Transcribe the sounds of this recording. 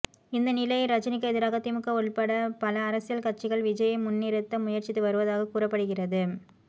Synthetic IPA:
ɪnd̪ɐnɪlɐɪɾɐt͡ʃːɐnɪk̬ːɐɛðɪɾaːɣɐt̪ɪmɯkːɐɔɭpɐɽɐpɐlɐːɾɐsɪjɐlkɐʈt͡ʃːɪɣɐɭʋɪd͡ʒɐjɐɪmʊnːiɾɯt̪ːɐmʊjɐɾt͡ʃɪt̪ːɯʋɐɾɯʋɐðaːɣɐkuːrɐpːɐɽɯɣɪrɐðɯ

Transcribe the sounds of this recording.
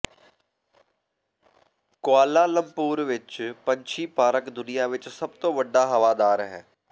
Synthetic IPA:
kʊaːlaːləmpuːɾʋɪt͡ʃpəɲt͡ʃʰiːpaːɾəkd̪ʊnɪjaːʋɪt͡ʃsəb̚t̪õːʋəɖaːɦəʋaːd̪aːɾɦɛː

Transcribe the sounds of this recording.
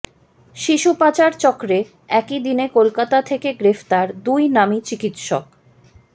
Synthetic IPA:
ʃiʃupat͡ɕaɾt͡ɕɔkɾe | ɛkid̪inekolkat̪at̪ʰekeɡɾeft̪aɾd̪ujnamit͡ɕikit̪ʃɔ̰k

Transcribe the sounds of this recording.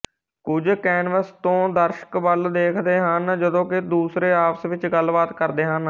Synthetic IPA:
kʊd͡ʒkɛːnʋəst̪õːd̪əɾʃə̥kʋəld̪eːkʰd̪eːɦənd͡ʒəd̪õːkɪd̪uːsɾeːaːpsʋɪt͡ʃɡəlbaːt̪kəɾd̪eːɦən

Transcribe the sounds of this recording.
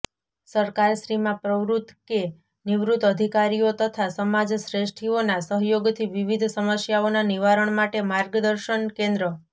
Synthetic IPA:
səɾkaɾʃɾimãpɾəʋɾut̪ke | niʋɾut̪əd̪ʱikaɾijot̪ət̪ʰasəmad͡ʒsɾeʃʈʰionasəɦjoɡt̪ʰiʋiʋid̪ʱsəməsjaonaniʋaɾəɳmaʈemaɾɡd̪əɾʃənkẽnd̪ɾə

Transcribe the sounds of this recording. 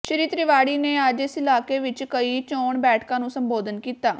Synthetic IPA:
ʃəɾiːt̪ɾɪʋaːɽiːneːəd͡ʒɪsɪlaːkeːʋɪt͡ʃkəiːt͡ʃoːɳbɛːʈʰkãːnũːsəmboːd̪ənkiːt̪aː

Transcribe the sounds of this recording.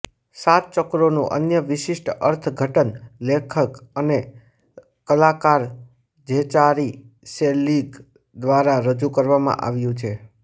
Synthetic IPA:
sat̪̚t͡ʃɔkɾonṵ̃ʔə̰njəʋɪʃɪʃʈəɾt̪ʰɡʱəʈənlekʰəkəne | kəlakaɾ | d͡ʒʱet͡ʃaɾi | selːiɡ | d̪ʋaɾaɾəd͡ʒukəɾʋamã̰ʔa̰ʋjũt͡ʃʰe

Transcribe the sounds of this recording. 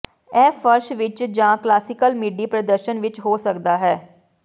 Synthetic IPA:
ɛːfʰəɾʃʋɪt͡ʃd͡ʒãːklaːsɪkəlmiːɖiːpɾəd̪əɾʃənʋɪt͡ʃɦoːsəkd̪aːɦɛː

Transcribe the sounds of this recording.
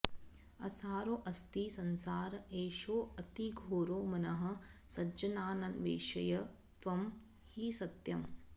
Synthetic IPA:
ɐsaːɾoːʔɐst̪iːsɐnsaːɾeːʃoːɐt̪iɡʱoːɾoːmɐnɐɦɐ̆sɐd͡ʒɐnaːnɐnʋḛːʃɐjɐ | t̪ʋɐm | hisɐt̪jɐm

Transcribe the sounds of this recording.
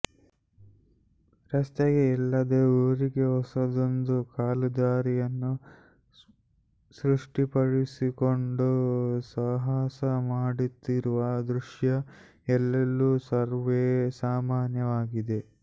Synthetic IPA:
ɾɐst̪eɡeɛlːɐd̪euːɾiɡe̞ɦɔsɐd̪ond̪ukaːlud̪aːɾijɐnːu | sɾuʂʈipɐɽisiko̞ɳɖusɐɦaːsɐmaːɽit̪ːiɾuʋɐd̪ɾuʂjɐ | ɛlːɐlːusɐɾʋeːsaːmaːnjɐʋaːɡid̪e̞

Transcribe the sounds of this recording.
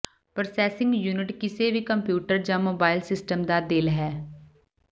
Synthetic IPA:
pɾosɛːsɪ̃ŋɡjuːnɪʈkɪseːʋiːkəmpjuːʈəɾd͡ʒãːmoːbaːɪlsɪsʈəmd̪aːd̪ɪlɦɛː

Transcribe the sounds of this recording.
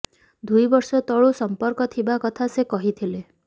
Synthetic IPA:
d̪ujbɔɾsɔt̪ɔɭusɔmpɔɾkɔt̪ʰibakɔt̪ʰasekɔɦit̪ʰile

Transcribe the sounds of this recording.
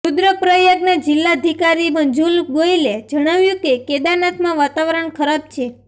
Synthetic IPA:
ud̪ɾəpɾəjəɡnad͡ʒilːaəd̪ʱikaɾimənd͡ʒulɡoiled͡ʒəɽ̃aʋjũkeked̪anat̪mãʋat̪aʋɾəɳkʰəɾab̚t͡ʃʰe

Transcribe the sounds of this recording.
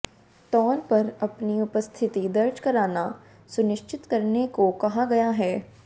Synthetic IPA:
t̪ɔːnpɐɾɐpniʊpəst̪ʰɪt̪id̪ɐɾd͡ʒkɐɾaːna | sʊnɪʃt͡ʃʰɪt̪kɐɾnekokɐɦaɡɐjaɦɛː

